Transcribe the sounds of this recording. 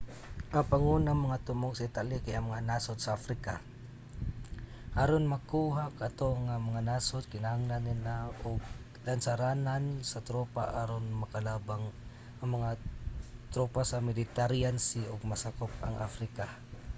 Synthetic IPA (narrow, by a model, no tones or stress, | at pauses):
ʔaŋpaŋunamaŋat̪ʊmʊɡsait̪alikajʔaŋmaŋanasʊt̪̚saafɾika | ʔaɾonmakuɦakat̪oŋamaŋanasʊt̪̚kɪnaɦaŋlanilaʊɡ̚ | lansaɾanansat̪ɾopa̰ʔaɾonmakalabaŋ | ʔaŋmaŋa | t̪ɾopasamɪlɪt̪aɾiansiʔʊɡ̚masakʊp̚a̰ŋʔa̰fɾika